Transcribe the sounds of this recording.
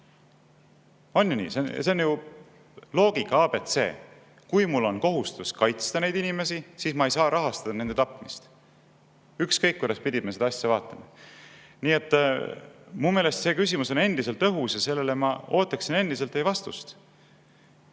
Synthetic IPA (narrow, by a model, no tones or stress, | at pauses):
o̞nʲjunḭːsenseonju | lo̞ːɡ̥ikːɑɑːb̥e̞t̪se̞̰ː | kujmulːo̞nko̞ɦust̪uskɑjt̪st̪ɑne̞jd̪inime̞sisiːsmɑejsɑːɾʔɑɦɑst̪ɑd̪̥ɑne̞nd̪e̞t̪ɑpˑmist̪ | ykskɤjkːujd̪ɑspid̪ʲimese̞d̪ɑɑsʲːevɑːt̪ːˑɑmɑ | niːe̞t̪ː | mumeːle̞st̪se̞kysʲimuso̞ne̞nd̪ise̞lt̪ːɤɦusɑse̞lːe̞lemɑ̰o̞ːt̪ːˑɑksine̞nd̪iselt̪ːe̞jvɑst̪ṵst̪